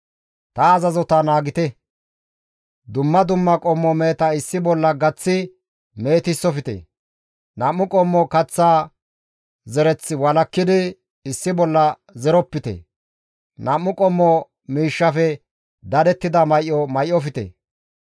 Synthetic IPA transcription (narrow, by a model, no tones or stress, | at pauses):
t̪ɐːzɐzɔt̪ɐnaːɡɪt̪ɛ | d̪ʊmːɐd̪ʊmːɐkʼɔmːɔmeːt̪ɐɪsːɪbɔlːɐɡɐt͡sːɪ | me̞ːt̪ɪsːɔfɪt̪ɛ̰ | nɐmːʊkʼɔmːɔkɐt͡sːaː | zɛɾɛt͡sːɪwɐlɐkːɪd̪ɪ | ɪsːɪbɔlːɐ | zɛɾɔpːɪt̪ɛ̰ | nɐmːʊkʼɔmːɔ | miːʃːɐfɛ | d̪ɐd̪ɛt̪ːɪd̪ɐmɐjʔɔmɐjʔɔfɪt̪ɛ̰